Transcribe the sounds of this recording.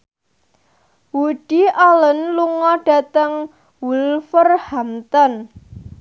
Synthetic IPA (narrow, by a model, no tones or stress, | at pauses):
wuɖ̥iʔɔlənluŋɔɖ̥ä̤t̪əŋ | wulfərhamt̪ɔn